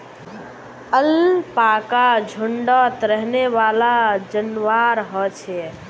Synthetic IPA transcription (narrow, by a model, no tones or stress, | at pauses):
əlpakad͡ʒʱʊɳɖət̪ɾəɦneʋaːlad͡ʒənʋaɾɦɔt͡ʃʰɛ